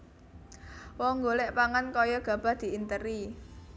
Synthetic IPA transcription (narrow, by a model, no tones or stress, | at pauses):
wɔŋɡolɛʔpaŋankɔjɔɡ̥ä̤b̥a̤hd̪̥i̤int̪əɾi